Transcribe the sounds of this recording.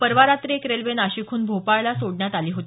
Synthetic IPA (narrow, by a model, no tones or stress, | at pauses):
pəɾʋaɾat̪ɾekɾelʋenaɕikʰuːnbʱopajlasoɽɳjat̪aliːɦot̪